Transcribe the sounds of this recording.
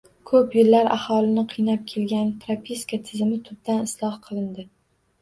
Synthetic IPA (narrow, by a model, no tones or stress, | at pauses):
kʰɵpjɪlːaɾʔa̰hɒlˠɪnɪqʰɨjnap̚kʲʰelɡʲanpʰɾapʲʰiskat̪ʰɪzɪmɪt̪ʰʊb̚d̪anɪslˠɒhqʰɨlˠɪnd̪ɪ